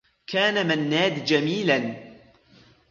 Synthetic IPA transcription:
kʰaːnamanːaːd̪d͡ʒamiːlan

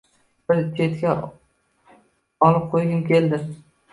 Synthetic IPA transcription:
bɪɾt͡ʃʲʰe̞t̪kʲa | ɒlɪp̚qʰojɡʲɪnkʲe̞ld̪ɪ

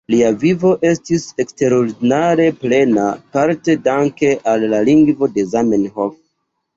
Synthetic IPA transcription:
liavivo̞ʔe̞stise̞kste̞ɾo̞ɾdinaɾe̞ple̞napaɾte̞daŋke̞ʔalːaliŋɡvo̞de̞zamenhof

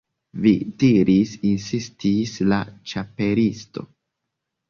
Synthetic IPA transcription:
vidiɾisinsistislat͡ʃape̞ɾisto̞̰

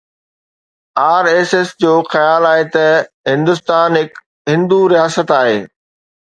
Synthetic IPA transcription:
aːɾeːsesd͡ʑoːxɐjaːlaːɦet̪ɐ | ɦɪ̃nd̪ʊst̪aːnɦɪk | ɦɪ̃nd̪uɾijaːsət̪aːɦeː

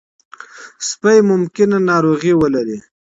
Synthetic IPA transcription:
spajmʊmkɪnanɑɾoɣiwəlaɾi

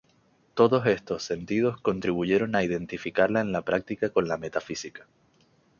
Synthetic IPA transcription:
t̪o̞ðo̞se̞st̪o̞sːe̞nt̪ið̞o̞sko̞nt̪ɾiβ̞uʝe̞ɾo̞naiðe̞nt̪ifikaɾlae̞nlapɾak̚t̪ikako̞nlame̞t̪afisikḁ

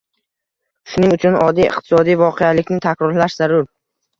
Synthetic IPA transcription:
ʊ̥ʃʊnɪŋʊt͡ʃʰʊnɒd̪ijɪ̰qt̪ʰɪ̥sɒd̪ijvɒqʰejalɪkʲnɪt̪ʰakʲɾɒɾlaʃzaɾʊɾ

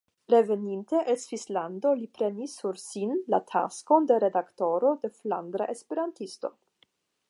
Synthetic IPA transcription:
ɾe̞ve̞ninteʔelsvislando̞lipɾe̞nisːuɾsinla̰tʰa̰sko̞nde̞ɾe̞dakto̞ɾo̞de̞fla̰nd̪ɾa̰ʔespe̞ɾantisto̞̰

